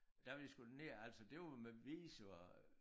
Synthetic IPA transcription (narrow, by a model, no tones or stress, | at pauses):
d̥æʋe̥isɡ̥ud̥ne̝̰ɐæl̰sɒd̥e̝ʋmeʋiːso